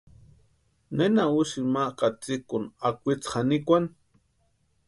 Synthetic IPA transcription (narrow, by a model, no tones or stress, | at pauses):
nenauʃimaʔkʼat͡sikʊnakʷit͡sχanikʷan